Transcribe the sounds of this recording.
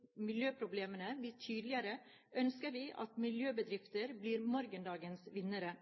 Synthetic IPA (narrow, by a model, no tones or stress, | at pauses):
mɪljøːpʰɾʊbleːmənəb̪iːʈʰyːd̪lɪəɾə | œnskəɾʋiːʔɑ̰t̪mɪljøːbəd̪ɾɪft̪əɾbliːɾmɔɾɡənd̪ɑːɡənsʋɪnəɾə